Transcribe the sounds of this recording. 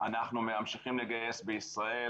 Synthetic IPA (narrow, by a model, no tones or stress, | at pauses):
a̰naχnumeamʃiχimleɡaje̞sbeisʁae̞